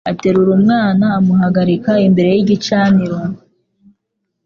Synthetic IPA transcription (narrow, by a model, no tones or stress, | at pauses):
ate̞ɾuɾumŋaːnaːmuɦaɡaɾikaimbe̞ɾe̞jiɟit͡ʃaːniɾo